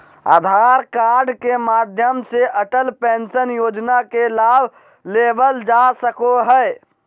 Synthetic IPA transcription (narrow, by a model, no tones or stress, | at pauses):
a̰ːd̪ʱaːɾkaːɾɖkemaːd̪ʱjəmseʔəʈəlpẽːnsənjoːd͡ʒnakelaːbʱ | leːbəld͡ʒasəkoɦɛː